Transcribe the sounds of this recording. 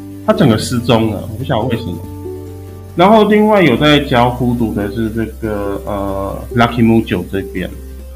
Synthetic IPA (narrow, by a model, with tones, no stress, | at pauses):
t̪ʰa˦˥t͡sə˨˩ŋɡə˩s̩˥˦t͡so˦ŋə̰˨wɔ˨˩pu˥ɕjɑ˨˩ŋwe˥˩ɪʂə˨˦mə˨˩ | na˨˦nxo˥˧ʊli˥˧ŋwa˥˩ɪjo˨˩ʊt͡sa˥˧ɪt͡ɕjɑ˦˥ʊxu˦t̪u˨˩d̪ə˨ʂɻ̩˥˧ʈ͡ʂɤ˥˩ɡə˨˩ə˨˩la˧˥kʰi˨mu˥˩t͡ɕjo˨˩ʊʈ͡ʂə˥˧i˥˩pjɛ̰˦n